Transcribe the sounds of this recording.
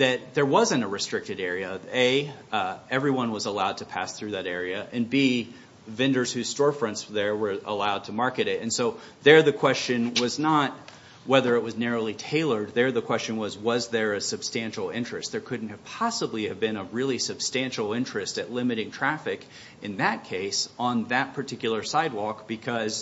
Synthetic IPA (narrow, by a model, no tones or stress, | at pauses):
ðɨt̪̚ðə˞wʌzɨ̃ñtəɹɨstɹ̥ɪk̚tɨɾɛɹiɨʌveɪ | ɛvɹiwʌ̃nwʌzəlaʊd̚tʰɨpʰæ̰sθɹʉðɨɾɛɹiɨʔɨ̃nbi | vɪ̃ndə˞z̥hʉz̥stɔɹfɹʌ̃nsðə˞wə˞ə̰laʊd̚tʰəmɑɹkɨɾɪtɨ̃nsoʊ | ðə˞ðɨkʰw̥ɛst͡ʃɨ̃nwʌznət̚ | wɛðə˞ɨt̚wʌznɛɹoʊlˠitʰeɪlˠə˞d̪̚ðə˞ðɨkʰw̥ɛst͡ʃɨ̃nwʌzwʌzðə˞ɨsɨb̥stæ̃nʃl̩ˠɪ̃nt͡ʃɹ̥ɨst̪̚ðə˞kʰʊdⁿn̩t̚ɨv̥pʰɑsəbliɨvbɪ̃nəɹɪlˠisɨb̥stæ̃nʃl̩ˠɪ̃nt͡ʃɹ̥ɨstɨtˡlɪ̃mɨɾɪ̃ŋtʰɹ̥æfɨk | ɨ̃nðɨt̚kʰeɪsn̩ðɨt̚pʰə˞tʰɪkjl̩ˠə˞saɪd̚wɔkb̥ɨkʰʌz̥